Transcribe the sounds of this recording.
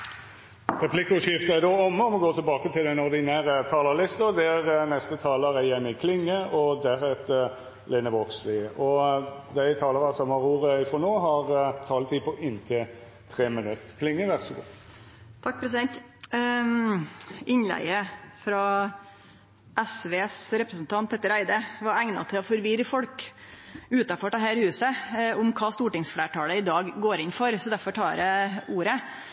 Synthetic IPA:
ʁɛpʰlɪkʊʃɪft̪əæd̪oːɔməɔmɔɡoːt̪ʰɪlbɑːkət̪ʰɪld̪ɛnɔɾd̪ɪnæːɾət̪ʰɑːləlɪst̪əd̪ɛæʁnɛst̪ət̪ʰɑːləɾæjɛmːɪkʰlɪŋːəʔɔd̪æɾhɛt̪ə | leːnəʋɔkslɪːʔɔd̪æɪt̪ʰɑːləɾɑsɔmhɑɾuːɾəɪfɾɔnoːɦɑʁt̪ʰɑːlət̪iːpʰɔʔɪnt̪ʰɪ | t̪ʰʁeːmənʉt̪ːkʰlɪŋːəʋæʁsɔɡṵ | t̪ʰɑk̚ːpʰɾɛsɪd̪ɛnt̪ | ʔɪnlæ̰ɪəfɾɑ | ʔɛsʋeːsɾɛpɾəsn̩t̪ʰɑnt̪̚pʰɛːt̪ːəɾæɪd̪əʋɑɾæŋnɑ̰t̪ʰɪlɔfɔɾʋɪɾəfɔɽk | ʉːt̪ɑfɔɖɛɦæːɾhʉːsəʊmkʰɑːst̪uːʈɪŋsfleːʈʰɑːləɪd̪ɑːɡɡoːɾɪnfɔɾsɔd̪æɾfɔʈʰɑːɾəuːɾə

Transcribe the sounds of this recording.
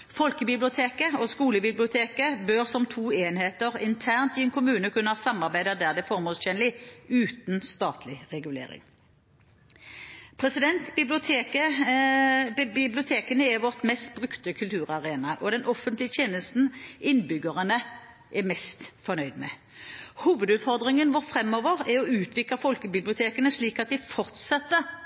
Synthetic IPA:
fɔlkəbɪblɪʊt̪ʰeːkəɔskuːləbɪblɪʊt̪ʰeːkəbøʁsɔmt̪ʰuːeːnheːt̪əʁɪnt̪ʰæːʁnt̪ɪɛnkʰʊmʉːnəkʰʉnːəhɑsɑmːɑʁbæɪd̪ɑd̪æʁd̪ɛfɔʁmoːlsçɛnlɪʉːt̪n̩st̪ɑːt̪ʰlɪʁɛɡʉlḛːɾɪ̰ŋ | pʰʁɛsɪd̪ɛnt̪bɪblʊt̪ʰekə | bɪblɪʊt̪ʰeːkənəɛʋɔʁt̪mɛst̪̚bʁʉkt̪əkʰʉlt̪ʰʉːʁɑʁeːnɑʔɔd̪ɛnʔɔfənt̪lɪət̪ʰjeːnəst̪n̩ɪnbʏɡəʁənə | ʔɛmɛst̪fɔʁnœʏd̪mɛ | huːʋəd̪ʉːt̪fɔʁd̪ʁɪŋənʋʊʁfʁɛmːɔʋəʁɛɾɔʉːt̪ʰʋɪkləfɔlkəbɪblɪʊt̪ʰeːkənəʂɭiːkɑt̪̚d̪ɪfɔʁt̪sɛt̪ːə

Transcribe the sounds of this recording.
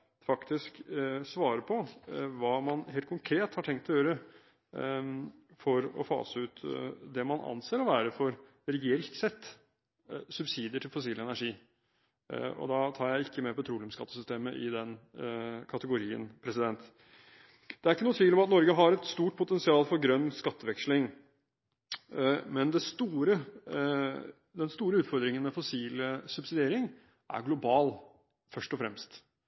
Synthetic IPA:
fɑkt̪ɪsksʋɑːɾəpʰɔʋɑːmɑnheːlkʰʊŋkʰɾeːt̪hɑʈʰɛŋkt̪ɔjøːɾə | fɔɾɔ̰fɑ̰ːsəʉːt̪d̪ɛmɑnʔɑ̰nseːɾɔʋæːɾəfɔɾ | ɾɛɡɪɛlt̪sɛt̪ː | sʉbsiːd̪ɪəʈʰɪlfʊsiːlɛnæʂiː | ɔ̰d̪ɑt̪ʰɑːɾjæɪɪkːəmɛpɔt̪ʰɾuːlɪʊmskɑt̪ːəsʏst̪eːməʔɪ̰d̪ɛn | kʰɑt̪əɡʊɾiːə̰npʰɾɛsɪd̪ɛnt̪ | d̪̥ɛæɾɪkːənuːət̪ʰʋiːlɔmɑt̪nɔɾɡəɦɑɾɛt̪st̪uːʈ̚pʰʊt̪ɛnsɪɑːlfɔɾɡɾœnːskɑt̪ːəʋɛkslɪŋ | mɛnd̪ɛst̪uːɾə | d̪ɛnst̪uːɾəʉːt̪fɔɾd̪ɾɪŋənmɛfɔsiːləsʉbsɪd̪ɪeːɾɪŋ | ʔæ̰ɾɡlʊbɑːl | fœʂʈɔfɾɛ̰mst̪

